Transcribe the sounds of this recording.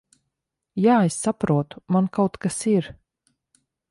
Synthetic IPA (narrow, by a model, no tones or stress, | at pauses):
jaːesːapɾuɔt̪u̥mankawt̪kasiɾ